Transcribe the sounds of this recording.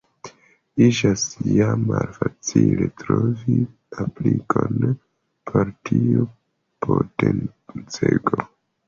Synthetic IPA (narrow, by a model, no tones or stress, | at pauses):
id͡ʒasjamalfat͡siletɾovi | aplikʰon | pʰoɾtiu | pʰoten | t͡seɡo